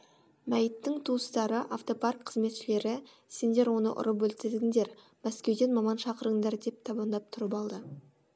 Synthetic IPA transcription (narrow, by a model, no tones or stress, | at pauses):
mæjət̪ːɪŋt̪ʰuəst̪ɑɾəʔaft̪o̞pɑrkqʰəzme̞t̪ʃɪle̞ɾɪ | se̞nd̪e̞ɾwo̞nə̰ʔʊ̰ɾəp̬wɵlt̪ɪd̪ɪɡʲɪŋd̪e̞ɾ | mæskʲe̞wd̪e̞nmɑmɑnʃɑqəɾəŋd̪ɑɾd̪e̞p̚t̪ʰɑbɑnd̪ɑp̚t̪ʰʊɾəpɑlˠd̪ə